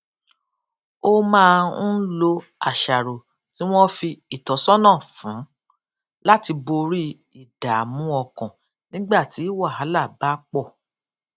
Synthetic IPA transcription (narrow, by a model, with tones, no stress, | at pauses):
o˦mãː˦˧˦lo˧ | a̰˨ʃa˨ɾo˨ | tĩ˨˦w̃ɔ̃˦fi˧i˦˨tɔ˨˦sɔ˦nã˦˨fũ˨˦ | la˦ti˧bo˧ɾi˦ | i˦˨d̥a˨mũ˦ɔ˧kɔ̃˨ | nĩ˦ɡ͡ba˦˨ti˨˦i˦wa˦˨ɦa˨˦la˦˨ba˦k͡pɔ˦˨